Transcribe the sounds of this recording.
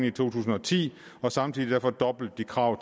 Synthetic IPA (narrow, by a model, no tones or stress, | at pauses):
n̩it͡sʰo̝̰ːt͡sʰṵːsn̩ɒ̽t͡sʰḭː | ɒ̽sɑ̈mt͡sʰiðˠid̥æɐfɒ̽d̥ɒ̽b̥l̩d̥̚ːikʰʁɑ̈ʊ̰